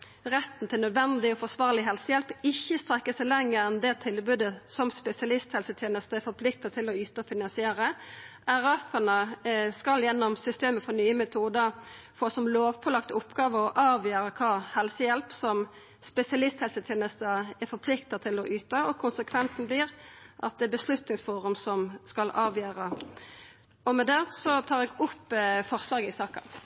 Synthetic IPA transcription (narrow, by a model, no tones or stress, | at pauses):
ʁɛt̪ːn̩t̪ʰɪlnœd̪ʋɛnd̪ɪɔfɔsʋɑːʁlɪɦɛlsəjɛlpɪçːəst̪ɾɛkːəsæɪlɛŋːəɾɛnd̪ɛt̪ʰɪlbʉːd̪əsɔmspɛsɪɑlɪst̪hɛlsət̪ʰjeːnəst̪əæfɔɾpʰlɪk̚t̪ɑt̪ʰɪlɔyːt̪əɔfɪnɑnsɪeːɾəæɾɑfənəskɑljɛnːɔmsʏst̪eːməfɔɾnyːəmɛt̪ʰuːd̪ə | foːsɔmloːʋpʰɔlɑkt̪ʊpɡɑːʋəɔʔɑːʋjøːɾəkʰɑːhɛlsəjɛlpsɔm | spɛsɪɑlɪst̪hɛlsət̪ʰjɛːnəst̪əɛfɔɾpʰlɪkt̪ɑt̪ʰɪlɔʔyːt̪əɔkʰʊnsəkʰʋɛnsn̩bliːʁʔɑ̰t̪̚d̪ɛbəslʉt̪nɪŋsfuːʁʉmsɔmskɑlʔɑːʋjøːɾə | ɔmɛd̪ɛsɔt̪ʰɑːɾɛɡʊpːfɔʁslɑːɡəɪsɑːkɑ̰n